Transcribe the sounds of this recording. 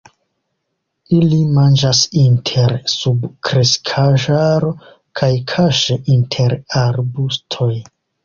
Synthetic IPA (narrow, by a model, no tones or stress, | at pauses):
ilimand͡ʒasintʰe̞ɾsubkɾeskʰaʒaɾo̞ | kʰajkʰaʃeʔintʰe̞ɾaɾbustʰo̞j